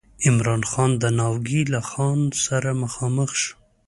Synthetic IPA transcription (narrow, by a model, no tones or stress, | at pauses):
ɪmɾɑnxɑnd̪ənɑwɡilaxɑnsaɾaməxɑməxʃ